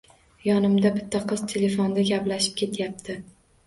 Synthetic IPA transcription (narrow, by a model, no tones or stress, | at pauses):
jɒnɪmd̪abɪt̪ʰːaqʰɨzt̪ʰele̞fond̪aɡʲaplaʃɪ̥p̚kʲʰe̞t̪ʰjap̚t̪ʰɪ